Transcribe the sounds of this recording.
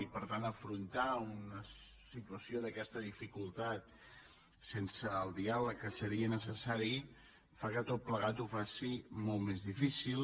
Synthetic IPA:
ipəɾt̪anəfɾunt̪aunə | sit̪uəsioðəkɛst̪əðifikulˠt̪at̪ | sensəːlˠd̪ialəkːəsəɾiənəs̬əsaɾi | fakət̪ot̪̚pləɣat̪ufasimolˠt̪mezðifisil

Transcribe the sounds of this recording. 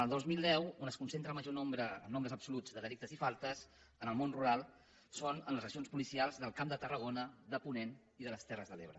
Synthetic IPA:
əlˠd̪ozmilˠd̪ɛwunəskunsent̪ɾəlˠməʒonombɾəəmnombɾəzəpsulud͡zðəðəlik̚t̪əzifalˠt̪əs | ənəlˠmonruɾalˠ | sonənləzrəzionspulisialˠzðəlˠkamd̪ət̪ərəɣ̞onəðəpunen | iðələst̪ɛrəzðəleβɾə

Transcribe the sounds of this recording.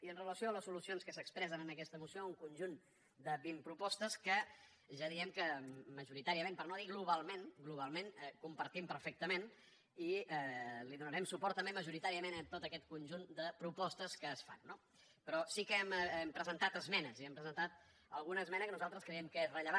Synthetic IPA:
iənrələsioələsulusionskəsəkspɾɛzənənəkɛst̪əmusiouŋkunʒun | d̪əβimpɾupɔst̪əskə | ʒaðiɛmkəməʒuɾit̪aɾiəmẽmpəɾnoðiɣluβalˠmenɡluβ̞alˠmenkumpəɾt̪impəɾfɛk̚t̪əmen | iɛliðunəɾɛmsupɔɾt̪əmbeməʒuɾit̪aɾiəmenət̪ot̪əkɛt̪̚kunʲʒund̪əpɾupɔst̪əskəːsfa̰nːo | pɾɔsikəɛmɛmpɾəzənt̪at̪əzmɛnəziɛmpɾəzənt̪at̪̚ | əlˠɣunəːzmɛnəkənuzalˠt̪ɾəskɾəjɛmkəezrəʎəβa

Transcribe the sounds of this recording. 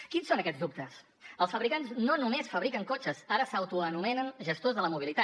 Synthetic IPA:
kinsːonəkɛd͡zðup̚t̪əs | əlˠsfəβɾikanznonumesfəβɾikəŋkot͡ʃəsaɾəsəwt̪uənumɛnənʒəst̪ozðələmuβ̞ilit̪a

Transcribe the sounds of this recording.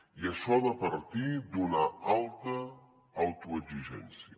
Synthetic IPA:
iəʃɔðəpəɾt̪id̪unaalˠt̪əː | wt̪uəziʒɛ̰nsiə

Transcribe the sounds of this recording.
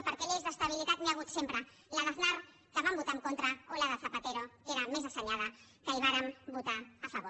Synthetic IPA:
pəɾkeʎezðəst̪aβ̞ilit̪at̪meaɣ̞ut̪sempɾə | laðaθnaɾ | k̪əβambut̪aŋkont̪ɾaolaðəθapat̪eɾokeɾamezasəɲaða | kəiβ̞aɾəmbut̪aːfaβ̞o

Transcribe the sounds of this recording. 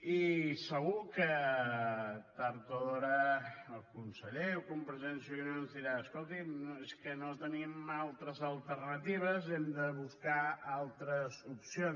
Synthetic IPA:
isəɣukə | t̪əɾt̪oðoɾəəkunsəʎewkumpɾəzensiunoənzðiɾaəskolˠt̪imeskənot̪ənimalˠt̪ɾəzəlˠt̪ərnət̪iβ̞əzemd̪əβuskaalˠt̪ɾəzupsion

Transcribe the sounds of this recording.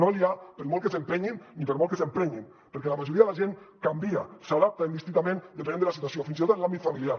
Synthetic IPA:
noliapəɾmɔlˠkəsempeɲinːipəɾmolˠkəsempɾeɲin | pəɾkɛlamaʒuɾiɐðelaʒenkambia̰saðap̚t̪aind̪ist̪int̪amẽnd̪ep̬enẽnd̪eəlasit̪wasiofinzit̪ot̪nlambit̪familiaɾ

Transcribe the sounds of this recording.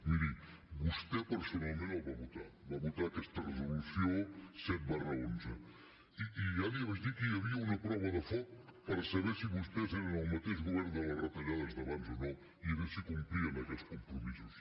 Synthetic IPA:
miði | bust̪ɛpəɾsunalˠmẽnalˠβaβut̪aβaβut̪aːkɛst̪ərəzulusjoset̪̚barəond͡ʒə | iialiəβəzd̪ikəjəβiəunɐpɾɔβəðəfɔtpəɾsəβɛsiβust̪ɛzeɾənəlˠmət̪eʒɣuβɛɾnd̪ələrət̪ɐʎaðəzðəβanzonɔ | iəβɛsikumpɾiənəkɛskumpɾumizus

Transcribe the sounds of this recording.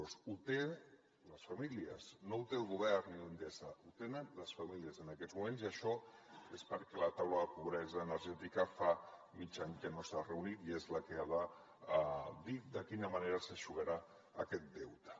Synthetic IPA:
ɔsut̪e | ləsfamiliə̰znout̪elˠɣuβɛɾnilənd̪esaut̪enənləsfamiliəzənakɛzmumẽnziəʃɔespəɾkɛlət̪awləðəpuβ̞ɾɛzəːnəɾʒɛt̪ikəfa | mit͡ʃaɲkənosarəunit̪iezləkeaða | d̪id̪əkinəmaneɾəsəʃuɣəɾaː | kɛt̪̚d̪ɛwt̪ə̥

